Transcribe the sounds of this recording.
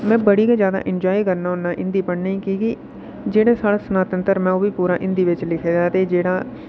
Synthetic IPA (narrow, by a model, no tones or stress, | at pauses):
mɛ̃ːbəɽiːkãd͡ʒjaːd̪a̰ːʔɪnd͡ʒaːiːkəɾnaːɦʊnːaːʔɪ̃nd̪iːpəɳnaːĩːkiki | d͡ʒeːɽaːsaːɽaːsənaːt̪ənt̪əɾmɛ̃ːõːbiːpuːɾaːʔɪ̃nd̪iːʋɪt͡ʃlɪkʰeːd̪aːt̪eːd͡ʒeːɽaː